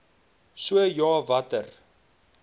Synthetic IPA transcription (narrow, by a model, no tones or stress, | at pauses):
suəjɑːvɐtər